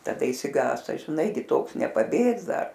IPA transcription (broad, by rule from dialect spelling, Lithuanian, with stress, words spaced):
tɐˈdɐ ɪʃʲsʲɪˈɡɑːstɐ ʒʲɪˈnɐɪ ɡʲɪ ˈtoːks nʲɛpɐˈbʲeːks ˈdɐr